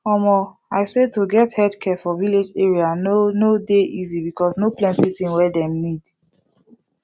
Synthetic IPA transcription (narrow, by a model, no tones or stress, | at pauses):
ɔmɔ | aɪsetuɡɛthɛdkʰɛfɔviled͡ʒeɹianonodeʔizibikɔsnoplɛ̃ntitĩnwɛdɛ̃mnid